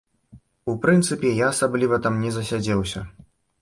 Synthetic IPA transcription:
upɾɨnt̪sɨpʲɛjaːsablʲivɐt̪amnʲɛzɐsʲad͡zʲɛwsʲɐ

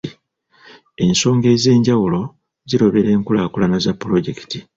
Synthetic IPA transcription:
e̞nso̞ːŋɡe̞ːze̞ːɲɟawulo̞ | ziɾo̞βe̞ɾe̞ːŋkulakulanazapːulo̞ɟe̞ki̥ti

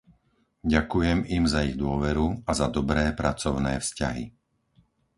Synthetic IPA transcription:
ɟakujɛmimzaiɣd̪ʊɔʋɛɾuazad̪ɔbɾɛːpɾat͡sɔʊnɛ̰ːfsca̰ɦḭ

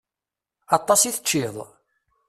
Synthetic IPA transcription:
ɑt̪ˤːɑsiθət͡ʃːɪðˤ

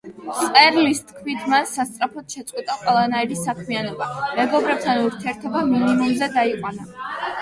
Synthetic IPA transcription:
t̪sʼɛɾlist̪kʰmit̪ʰmansast̪sʼɾapʰɔt̪ʃɛt̪sʼqʼwit̪ʼaqʼwɛlˠanaiɾisakʰmianɔbamɛɡɔbɾɛp̚t̪ʰanuɾt̪ʰiɛɾt̪ʰɔbaminimumzɛd̪aiqʼwana

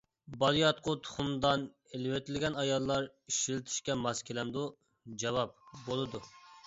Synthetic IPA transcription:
bɑlˠijɑt̪̚qʰʊt̪ʰʊ̥χʊmd̪ɑn | elɪwet̪ʰɪlɪɡʲɛnɑjɑlˠːɑɾiʃilɪt̪ʰi̥ʃkʲɛmɑskʲelɛnd̪u | d͡ʒɑwɑp̚bolˠɨd̪u

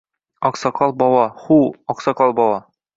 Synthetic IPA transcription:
ɒqsɑqɑlˠbɒwˠɑχuɒqsɑqɑlˠbɒwˠɑ

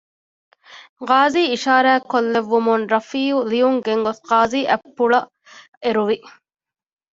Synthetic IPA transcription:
ʁaːziːiʃaːɾæːkːolːeʋːumunɾɐfiːulijuŋɡeŋɡosqaːziːʔæpːuɭɐ | eɾuʋi

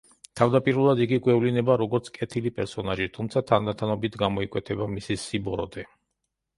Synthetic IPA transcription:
t̪ʰavd̪apʼiɾulˠad̪iɡiɡwɛvlinɛbaɾɔɡɔɾt̪sʰkʼɛt̪ʰilipʼɛɾsɔnaʒit̪ʰumt̪sʰat̪ʰand̪at̪ʰanɔbit̪ʰɡamɔikʼwɛt̪ʰɛbamisisibɔɾɔd̪ɛ

